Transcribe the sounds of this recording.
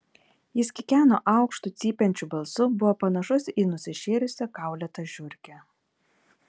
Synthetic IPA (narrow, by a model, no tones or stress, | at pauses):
jɪskʲɪkʲæːno̰ːʔɑˑʊkʃt̪ʊt̪sʲiːpʲɛnʲt͡ʃʲubɐlˠsʊbʊʋoːpɐnɐʃʊsiːnʊsʲɪʃʲeːɾʲʊsʲɛkɑˑʊlʲɛt̪ɐʒʲʊɾʲkʲɛ